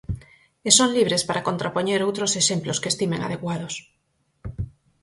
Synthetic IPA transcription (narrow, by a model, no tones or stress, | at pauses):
esoŋliβ̞ɾespaɾakont̪ɾʔapoɲeɾowt̪ɾoseʃemploskeːst̪imeŋa̰ð̞ekwað̞os